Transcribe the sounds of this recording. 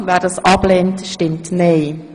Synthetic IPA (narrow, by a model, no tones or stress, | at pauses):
ʋɛːɾdɑsʔɑbleːntʃtɪmtneɪ